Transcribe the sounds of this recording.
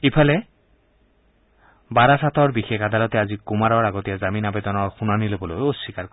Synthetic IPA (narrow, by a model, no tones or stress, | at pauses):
ipʰalɛ | baɾasatɔɹbixekad̪alɔt̪ɛazikumaɹɔɹaɡotijazaminabɛd̪ɔnɔɹxunanilobɔlojosikaɹ